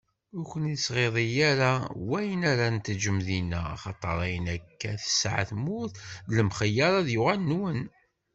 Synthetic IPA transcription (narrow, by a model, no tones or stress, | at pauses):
ʊkʷənisʁeðˤijæɾawæjənaɾænt̪d͡ʒəmðinæ̰ɑ̰χɑt̪ˤːɑɾˤɑjənækːæ̰θə̥sʕθmuθləmχəjːɑɾˤɑðjʊʁalnwən